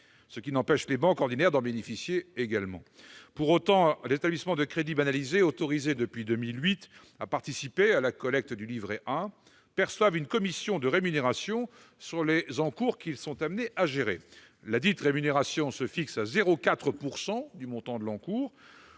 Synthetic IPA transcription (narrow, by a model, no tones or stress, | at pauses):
səkʲinɑ̃pɛʃlebɑ̃kɔʁd̪inɛʁd̪ɑ̃benefisjeːɡalmɑ̰̃ | puʁot̪ɑ̃lezet̪ablismɑ̃d̪əkχed̪ibanalizeot̪ɔʁized̪əpɥid̪ømilɥit̪ | apaʁt̪isipealakɔlɛk̚t̪d̪ylivʁeʔɛ̃ | pɛʁswavynkɔmisjɔ̃d̪əʁemyneʁasjɔ̃ | syʁlezɑ̃kuʁkʲilsɔ̃t̪amneʔaʒeʁḛ | lad̪it̪ʁemyneʁasjɔ̃səfiksazeʁokat̪χəpuʁsɑ̃d̪ymɔ̃t̪ɑ̃d̪əlɑ̃kuːʁ